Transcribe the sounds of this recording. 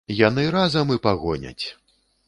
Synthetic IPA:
janɨɾazɐmɨpaɣɔnʲɐ̰t͡sʲ

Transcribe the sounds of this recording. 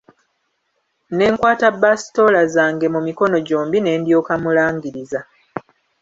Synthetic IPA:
ne̞ːŋkwaːtabːasi̥to̞lazaːŋɡe̞mumiko̞no̞ɟo̞ːmbine̞ːndjo̞ːkamulaːŋɡiɾiza

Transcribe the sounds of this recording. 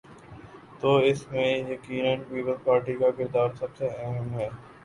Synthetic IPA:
t̪oːɪsmẽjɐkiːnənpiːpəlspaːɾʈikakɪɾd̪aːɾsɐbseɛɦɛ̃mɦɛː

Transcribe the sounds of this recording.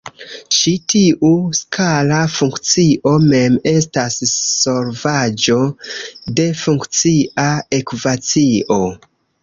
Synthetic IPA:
ʃitiʔuskʰalafuŋkt͡siʔo̞me̞me̞stasːo̞ɾvad͡ʒo̞de̞fuŋkt͡siʔaekvat͡siʔo̞

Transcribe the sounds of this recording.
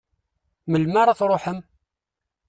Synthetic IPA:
məlmaɾˤɑθɾˤoħəm

